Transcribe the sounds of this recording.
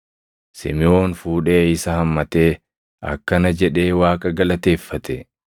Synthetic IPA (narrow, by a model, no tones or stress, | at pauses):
sɪ̰mɪo̞ːnfuːᶑe̞ːɪsɐhɐmːɐt̪e̞ː | ɐ̰kːɐnɐd͡ʒɛᶑe̞ːwaːkʼɐɡɐlɐt̪e̞ːfːɐt̪ɛ